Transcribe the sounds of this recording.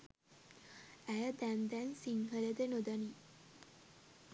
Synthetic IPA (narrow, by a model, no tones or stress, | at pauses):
æjəd̪ænd̪ænsiŋɦələd̪enod̪ani